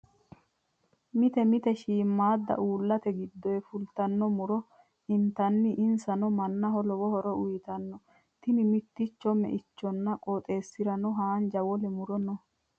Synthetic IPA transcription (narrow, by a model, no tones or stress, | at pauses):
mɪt̪ɛmɪt̪ɛʃiːmːaːd̪ːɐ̰ʔuːlːɐt̪ɛɡɪd̪ːɔjɛfʊlt̪ɐnːɔmʊɾɔ | ɪnt̪ɐnːɪʔɪnsɐnɔmɐnːɐɦɔlɔwɔhɔɾɔʔʊjɪt̪ɐnːɔ | t̪ɪnɪmɪt̪ːɪt͡ʃːɔmɛ̰ʔɪt͡ʃːɔnːɐkʼɔt̪ʼe̞ːsːɪɾɐnɔɦaːnd͡ʒɐwɔlɛmʊɾɔnɔ